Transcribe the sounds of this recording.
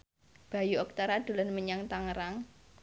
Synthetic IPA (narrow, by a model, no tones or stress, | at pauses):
b̥a̤juɔk̚t̪aɾad̪̥ṳlanməɲaŋt̪aŋəɾaŋ